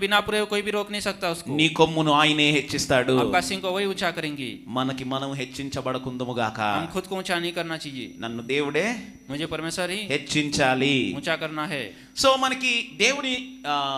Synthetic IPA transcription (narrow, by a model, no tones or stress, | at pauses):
bɪnapuɾeʋkoːibʱiɾoːknɐɦĩsɐk̚t̪aʊskoniːkomːunuaːjineːɦet͡ʃːist̪aːɽuɐkaːsĩŋkoʋɐɦiʊt͡ʃʰakɐɾẽːŋɡḭːmɐnɐkimɐnɐmɦet͡ʃːiɲt͡ʃɐbɐɽɐkund̪umuɡaːkɐ̰ɦɐmkʰʊd̪̚koʊt͡ʃʰanɐɦĩkɐɾnat͡ʃaːɦiḛːnɐnːud̪eːwuɽeː | mʊd͡ʒʱepɐɾmeːsəɾɦiɦet͡ʃːiɲt͡ʃaːliʊt͡ʃʰakɐɾnaɦɛː | soːmɐnɐkid̪eːwuɽi